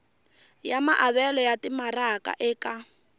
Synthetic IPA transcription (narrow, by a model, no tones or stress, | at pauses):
jamaʔaβɛlɔjatimarakʼa̰ʔɛːka